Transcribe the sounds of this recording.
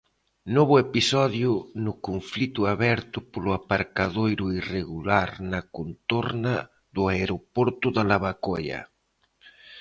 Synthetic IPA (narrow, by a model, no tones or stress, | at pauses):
nɔβʊepisɔðjʊnʊkoɱflit̪ʊaβɛɾt̪ʊpolʊapaɾkaðojɾʊireɣulaɾnakont̪oɾna | ðʊaeɾopɔɾt̪ʊðalaβakojɐ̰